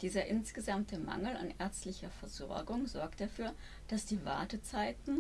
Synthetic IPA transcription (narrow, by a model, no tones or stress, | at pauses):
d̥iːzɐʔɪnsɡ̥əzamtʰəma̰ŋl̩a̰nʔɛɐt͡stlɪçɐfɛɐzɔ̰ɐɡʊŋzɔɐk̚td̥afyːɐ | d̥asd̥iːva̰ɐtət͡saɪtn̩